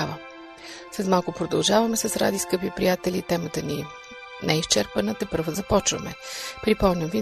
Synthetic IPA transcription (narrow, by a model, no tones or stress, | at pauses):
avə | sɐzmalˠkʊpɾod̪ɐlˠʒavɐmɛsəsɾa̰d̪iskɤpipɾijat̪ɛlʲit̪ɛmət̪əni | nɛist͡ʃɛɾpənət̪ɛpɤɾvəzɐpɔt͡ʃvə̰mɛpɾipɔmnʲɐmvi